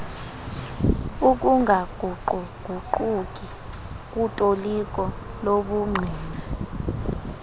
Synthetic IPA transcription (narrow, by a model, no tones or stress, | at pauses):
uk̬ʼuŋɡʱaɡ̥ʱuǃuɡ̥ʱuǃuk̬ʼi | k̬utʼolik̬ʼɔloɓuŋ͡ǀʱiːna